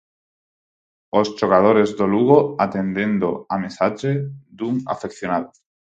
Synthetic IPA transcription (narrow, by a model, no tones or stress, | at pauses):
ost͡ʃoɣað̞oɾezðoluɣoat̪end̪e̞nd̪oamesat͡ʃed̪uŋa̰fekθjonaðo